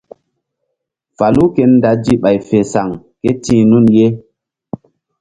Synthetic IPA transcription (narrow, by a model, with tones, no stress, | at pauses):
fa˨lu˦ke˦nːda˨˦d͡ʒi˦ɓa˨jfe˨sa˨ŋ | ke˦tĩː˦nu˦nje˦